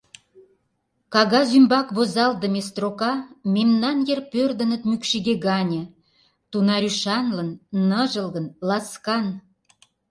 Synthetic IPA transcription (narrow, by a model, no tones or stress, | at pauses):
kɑɣɑzymbɑkβozɑld̪əmest̪rokɑmemnɑnjerpørd̪ə̆nə̆t̪mykʃiɣeɣɑnʲĕ | t̪unɑɾʲyʃɑnlə̆nːəʒə̆lɣə̆nlɑskɑn